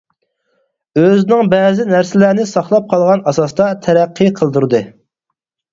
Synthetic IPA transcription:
øznɪŋbɛːzɪnæɾsɪlæɾnɪsɑχlˠɑp̚qʰɑlˠʁɑnɑsɑst̪ɑt̪ʰɛɾæqʰːɨqʰəlˠd̪uɾɨd̪ɨ

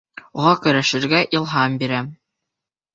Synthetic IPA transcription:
uʁɑkɵ̆ɾæʃɘ̆ɾɡæʔilˠɦɑmbiɾæ

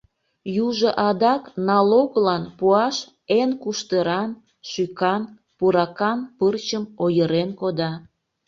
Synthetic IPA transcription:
juʒəʔɑd̪ɑknɑloɣlɑnpuɑʃ | enkuʃt̪əɾɑn | ʃykɑn | puɾɑkɑnpərt͡ɕəmojəɾenkod̪ɑ

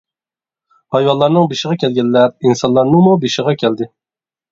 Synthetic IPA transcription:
hɑjwɑlˠːɑɾnɨŋbeʃɪʁɑkʲɛlɡʲɛlːɛɾinsɑnlˠɑɾnɨŋmubeʃɪʁɑkʲʰɛld̪ɪ

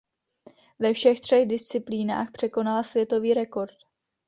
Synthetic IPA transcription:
vɛfʃɛxt̪r̝̥ɛɣdɪst͡sɪpliːna̰ːxpr̝̥ɛko̞nalasvjɛt̪o̞viːɾɛko̞ɾt

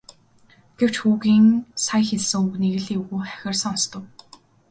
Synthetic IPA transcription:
ɡ̥ew̥t͡ɕxuːɣiːŋsajxeɮsɘ̆ŋuɣniɣɘ̆ɮiːuɣuːχæ̥xʲɪ̆rsə̆ŋɔnst̪ʰə̆w

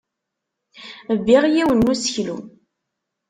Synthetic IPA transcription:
əvːiʁjiwənːusə̥çlṵ

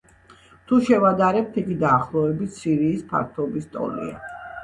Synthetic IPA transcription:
t̪ʰuʃɛvad̪aɾɛp̚t̪ʰiɡid̪aːχlˠɔɛbit̪ʰsiɾiːspʰa̰ɾt̪ʰɔbist̪ʼɔ̰lḭa̰

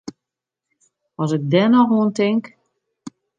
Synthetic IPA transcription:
ɔsɪk̚dɛnɔxʋoəntɪŋk

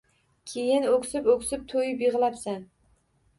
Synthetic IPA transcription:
kʲʰejɪnokʲsɪpokʲsɪp̚t̪ʰojɪpjeʁlˠapsan

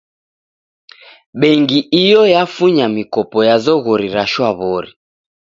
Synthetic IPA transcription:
ɓɛŋɡiʔijɔjafuɲamikɔpɔjazɔɣɔɾiɾaʃwaβɔɾi

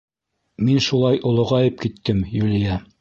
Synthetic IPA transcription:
minʃulˠɑjʔŏlˠŏʁɑjɤp̚kit̪ːɘmjulʲijæ

